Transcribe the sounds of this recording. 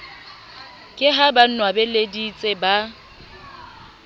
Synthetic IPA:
kʼɪɦaban̩nwabeledit͡sʼɪba

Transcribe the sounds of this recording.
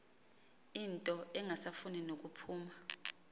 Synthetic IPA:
intʼɔɛŋasafuninok̬upʰuːma

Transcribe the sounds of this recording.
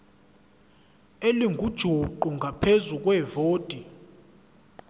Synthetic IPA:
eliŋɡʱud̥ʒ̥ʱuǃuŋɡʱapʰezuk̬ʼwɛːvoːd̥ʱi

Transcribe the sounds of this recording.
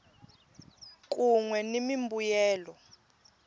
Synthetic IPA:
k̬ʼuŋwɛnemimbujɛːlɔ

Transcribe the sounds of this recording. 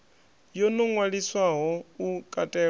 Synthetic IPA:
jɔnɔŋwaɺiswaɦɔukʼatʼɛ

